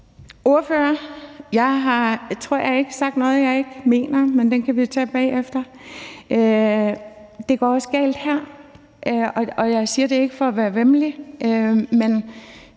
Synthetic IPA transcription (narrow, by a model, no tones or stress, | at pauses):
o̝ɐføːɐjɑ̈ɪɦɑ̈t͡sʰʁo̝ɐ̰jɑɪe̝ɡ̥əsɑ̈ɡ̥d̥nɔ̽ːð̞̩ˠjɑ̈ɪe̝ɡ̥me̝̰ːnɐmend̥enkʰæʋit͡sʰɛ̰ːb̥ɛ̰ːefd̥ɐ | ʔø | d̥e̝ɡ̥ɒ̰ɒ̽sɡ̥ɛ̰ːld̥hæɐ̰ | ʔøɒɒ̽jɑ̈ɪsiːɐd̥e̝e̝ɡ̥əfɒ̽ɒʋæːɐʋemliʔømen